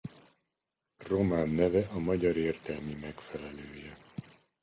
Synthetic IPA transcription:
ro̞maːnːɛvɛʔɒmɒɟɒɾeːrt̪ɛlmimɛkfɛlɛløːjɛ

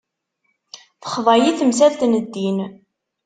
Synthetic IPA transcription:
θə̥χvˤɑjiθəmsælt̪nəd̪ːin

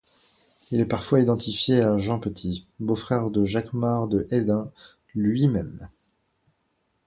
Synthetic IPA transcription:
ilɛpaʁfwaid̪ɑ̃t̪ifjeaʒɑ̃pət̪ʰibofχɛʁd̪əʒakmaʁd̪əʔɛd̪ɛ̃ | lɥimɛm

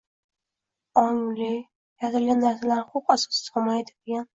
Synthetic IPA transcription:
ɒŋlɪ | jat̪ʰɪlɡʲanːaɾsalaɾχoqasɒ̥sɪ̥sɒmajd̪ɪd̪eɡʲan

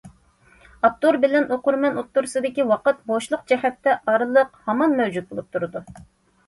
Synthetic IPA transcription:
ɑt̪ːuɾbɪlɛnoqʊɾmɛnot̪ːuɾsɨd̪ɪkʲiwɑqət̪̚boʃlˠʊq̚d͡ʒɛhɛt̪ːɛʔɑɾɨlˠəqhɑmɑnmɛwd͡ʒut̪̚bolˠup̚t̪ʰuɾɨd̪u

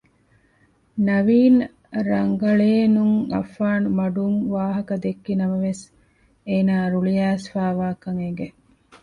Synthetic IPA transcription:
nɐʋiːn | ɾɐŋɡɐɭeːnuŋɐ̰fːaːnmɐɖuŋʋaːɦɐkɐd̪ekːinɐmɐʋes | eːnaːɾuɭiæːsfaːʋaːkɐŋeŋɡe

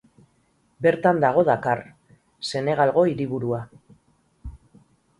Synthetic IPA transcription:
be̞ɾt̪and̪aɣ̞o̞ðakar | se̞ne̞ɣ̞alɣo̞iɾiβ̞uɾua

